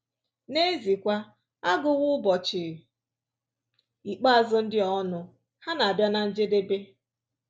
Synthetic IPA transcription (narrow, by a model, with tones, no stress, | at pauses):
ne˦zi˨kʷa˦ | a˦ɡʊ˨ɣʊ˦bɔ˨t͡ʃɪ˨ | i˨k͡pa˦a˨zʊ˦n̩˦dɪ˦ɔ˦nʊ˨ | ha˦na˨a˨bja˦na˨n̩˦d͡ʒe˦de˦be˦